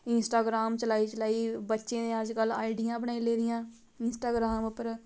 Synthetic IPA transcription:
ɪnsʈaːɡɾaːmt͡ʃəlaːiːt͡ʃəlaːiːbətːʃẽːnẽːəd͡ʒkəla̰ːiɖɪjãːbəɳ̃aːiːleːɾɪjãː | ɪnsʈaːɡɾaːmʊpːəɾ

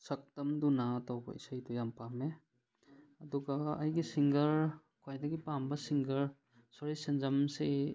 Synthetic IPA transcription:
sɐk̚tɐmdunatawbɐ̰ḭsɐjdujampame | ɐduɡaːjɡisiŋɡɐɾ | kʰwajdɐɡipambɐsiŋɡɐɾ | sɔɾisinzɐmse

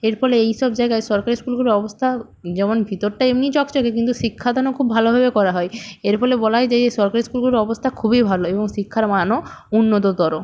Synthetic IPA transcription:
eɾfɔleejʃɔbd͡ʑaeɡaeʃɔɾkaɾiskulɡuloɾɔbost̪ʰa | d͡ʑɛmonbʱit̪oɾʈaemnit͡ɕɔkt͡ɕokek̬int̪uʃikʰːad̪ʱɔnokʰubːʱalobʱabekɔɾaɦɔeeɾfɔlebɔlajd͡ʑeʃɔɾkaɾiskulɡulɾɔbost̪ʰakʰubibʱaloeboŋʃikʰːaɾmanounːot̪̬od̪ʱɔɾo

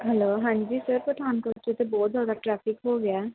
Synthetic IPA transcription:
ɦɛloːɦãːɲd͡ʒiːsəɾpət̪ʰaːnkoːɾt͡ʃet̪ebɔːt̪zaːd̪aːʈɾɛːpʰɪkɦoːɡɪaː

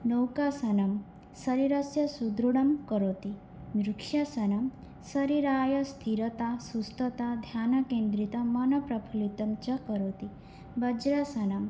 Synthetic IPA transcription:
nowkasɐnɐm | sɐɾiɾɐsjɐsud̪ɾuɽɐmkəɾot̪i | nɾukʂjasɐnɐm | sɐɾiɾaːjɐst̪ʰiɾɐt̪asust̪ʰɐt̪ad̪ʱjaːnɐkẽːnd̪ɾit̪ɐmɐnɐpɾɐbʰʱulit̪ɐmt͡ʃɐkəɾot̪i | bɐd͡ʒɾasɐnɐm

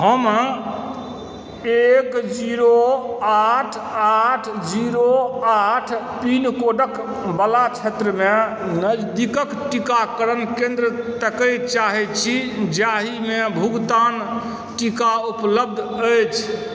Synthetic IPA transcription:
həm | ekd͡ʒiɾoaʈʰ | aʈʰd͡ʒiɾoaʈʰpinkoɖək | bəlat͡ʃʰet̪ɾəme | nəd͡ʒd̪ikəkʈikakəɾənkẽnd̪ɾət̪əkəjt͡ʃaɦɛt̪t͡ʃʰid͡ʒaɦimebʱuɡt̪an | ʈikaupləb̚d̪ʱəjt͡ʃʰ

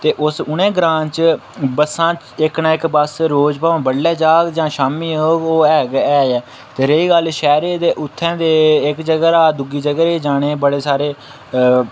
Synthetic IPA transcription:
t̪eːʔʊsʊnẽːɡɾãːnt͡ʃbəsãːt͡ʃɪknãːɪkbəsɾoːd͡ʒpaːõːbəɽlːɛːd͡ʒaːɡd͡ʒãːʃaːmiːɦoːɡoːɛːɡɛːɛː | t̪eːɾeiːɡəlʃɛːɾeːd̪eːʔʊt̪ʰːɛ̃ːd̪eːɪkd͡ʒəɡəɾaːd̪ʊɡiːd͡ʒəɡɾeːd͡ʒaːɽ̃eːbəɽeːsaːɾeː

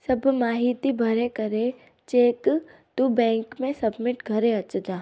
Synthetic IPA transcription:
sɐbmaːɦɪt̪ibʱɐɾekɐɾe | t͡ʃeːkt̪ubɛ̃ːŋkmẽsɐbmɪʈɡʱɐɾeɐt͡ʃd̪aː

